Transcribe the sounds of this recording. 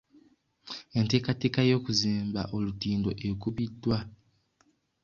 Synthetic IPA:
e̞nte̞ːkate̞ːkajo̞ːkuziːmba̰ʔo̞lutiːndo̞̰ʔekuβidːwa

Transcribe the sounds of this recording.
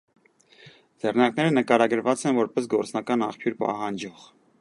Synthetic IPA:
d͡zɛrnɑɾknɛɾənəkɑɾɑɡəɾvɑt͡sɛnvɔɾpɛs̬ɡɔɾt͡snɑkɑnɑχpʰjuɾpɑ̰ɦɑnd͡ʒɔʁ

